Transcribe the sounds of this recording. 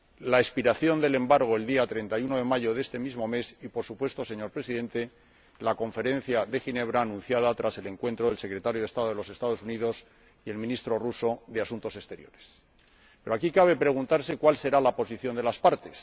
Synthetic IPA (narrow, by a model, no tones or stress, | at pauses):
laespiɾaθjo̞nd̪e̞le̞mbaɾɣ̞oe̞ld̪iat̪ɾe̞nt̪ajuno̞ðe̞maʝo̞ðe̞st̪e̞mizmo̞me̞sipo̞ɾsupwe̞st̪o̞se̞ɲo̞ɾpɾe̞siðe̞nt̪e | lakõ̞ɱfe̞ɾẽ̞n̟θjaðe̞xine̞β̞ɾaːnũn̟θjaðat̪ɾase̞le̞ŋkwe̞nt̪ɾo̞ðelse̞kɾe̞t̪aɾjoest̪aðoð̞elo̞se̞st̪að̞osuniðo̞s | ie̞lmĩnist̪ɾo̞ruso̞ðeasunt̪o̞se̞st̪e̞ɾjo̞̰ɾe̞s | pe̞ɾoakikaβ̞e̞pɾe̞ɣ̞unt̪aɾse̞kwalse̞ɾalapo̞siθjo̞nd̪e̞laspaɾt̪e̞s